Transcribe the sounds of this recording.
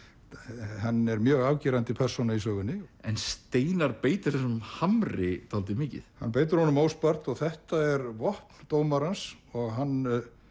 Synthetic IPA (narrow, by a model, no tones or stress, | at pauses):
hanːɛɾmjœːɣaːwciːɾant̪ɪpʰɛr̥sunais̬œːɣʏnːɪɛ̰nst̪eːjnaɾpeːjt̪ʏ̥ɾ̥θɛsmhamɾɪt̪ʰalt̪̬ɪmɪːcɪ̰θha̰npeːjt̪ʏɾ̥hɔnʏmowspar̥t̪ɔɣθɛht̪aɛɾvɔhpn̥t̪oːwmaɾans | ɔɣɦanː